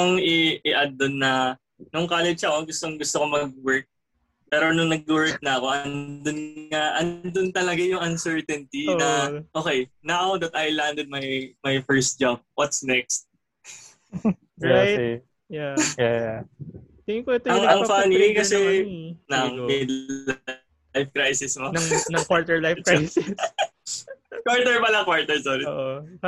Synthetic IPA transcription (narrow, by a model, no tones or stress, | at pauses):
ŋɪɪʔɐd̪ːonːɐ | nʊŋkalɛd͡ʒɐko̞ɡʊst̪oŋɡʊst̪oko̞mɐɡ̚wɛɹk̚ | pɛːɾo̞nʊŋnɐɡ̚wɛɹk̚nɐɐko̞ʔɐnd̪onŋaʔɐnd̪ont̪ɐlɐɡajʊŋɐnsɛɹt̪ɛnt̪inɐʔo̞ːkɛjnawd̪ɐt̪ʔɐjland̪ɛd̪̚mɐjmɐjfɛɹst̪̚d͡ʒab̚wɐt̪snɛk̚st̪̚ | ɹa | jaja | t̪ɪkt̪ɐŋɐŋfanikɐsɛnɐŋmɛd̪ | jfkɾajsɪsmonɐnɐŋkwaɹt̪ɛɹlajfkɹajs | kwaɹt̪ɛɹpɐlɐkwaɹt̪ɛɹsoɾɪ